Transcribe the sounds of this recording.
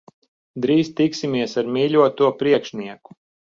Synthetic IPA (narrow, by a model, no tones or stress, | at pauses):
d̪ɾiːst̪iksimʲiɛsaɾmiːlʲuɔt̪uɔpɾiɛkʃniɛku̥